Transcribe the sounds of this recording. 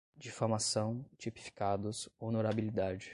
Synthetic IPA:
d͡ʒifoɾmasɐ̃w̃t͡ʃipi̥fi̥kad̪ʊsonoɾabilid̪ad͡ʒɪ

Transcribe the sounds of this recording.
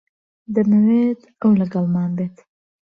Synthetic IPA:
d̪əməwet̪awlaɡalmɑːnbet̪

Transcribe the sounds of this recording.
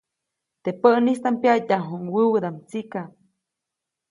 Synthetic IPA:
t̪epəʔnist̪ampjataɦuŋwəwəd̪amt͡sika

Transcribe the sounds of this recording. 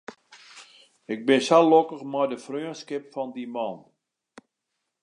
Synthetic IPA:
ɪk̚bɪnsalokəxmɔjdəfrøəskɪpfɔndimɔn

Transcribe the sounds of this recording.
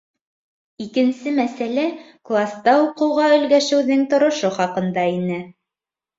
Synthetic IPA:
ikɘ̆nsɘmæsælæ | klˠast̪ɑuqɤ̆wʁɑɵ̆lɡæʃɘ̆wðɘŋt̪ŏɾŏʃoχɑqɤ̆nd̪ɑinɘ

